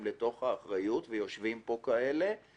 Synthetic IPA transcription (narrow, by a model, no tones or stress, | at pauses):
mle̞to̞χhaːχʁajutvejo̞ʃvimpo̞kaele̞